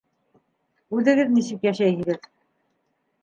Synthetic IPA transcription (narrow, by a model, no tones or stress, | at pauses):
ʉðɘ̆ɡɘðnisɘkjæʃæjɦɘ̆ɡɘð